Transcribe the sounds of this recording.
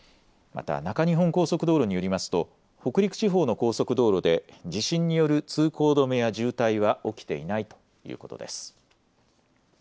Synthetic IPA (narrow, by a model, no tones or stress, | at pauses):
ma̰t̪a̰nakaɲ̟iɦõ̞ŋko̞ːso̞kɯ̟d̪o̞ːɾo̞ɲ̟ijo̞ɾʲimasɨ̥t̪o̞ | ho̞kɯ̟ɾʲikɯ̟̥t͡ɕiɦo̞ːno̞ko̞ːso̞kɯ̟d̪o̞ːɾo̞d̪e̞d͡ʑiɕĩɲ̟ːijo̞ɾɯ̟t͡sɨːkʰo̞ːd̪o̞mejaʑɨːt̪aiβ̞aʔo̞kʲi̥t̪e̞̰ḭnait̪o̞̥ | jɯ̰ːko̞t̪o̞̰d̪e̞sɨ̥